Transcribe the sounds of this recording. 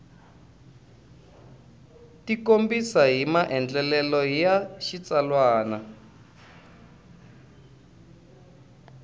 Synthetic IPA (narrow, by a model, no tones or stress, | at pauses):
tikombisaɦimaʔɛnd͡ɮɛlɛlɔjaʃit͡salwaːna